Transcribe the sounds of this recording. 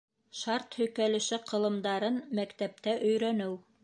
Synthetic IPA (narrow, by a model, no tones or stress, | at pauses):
ʃɑɾt̪hɵ̆jkælɘ̆ʃɘqʰɤ̆lˠɤ̆md̪ɑɾɤnmækt̪æp̚t̪æʔɵ̆jɾænɘw